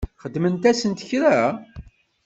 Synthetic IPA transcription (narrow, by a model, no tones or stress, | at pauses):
χəd̪mənt̪æsənt̪əçɾæ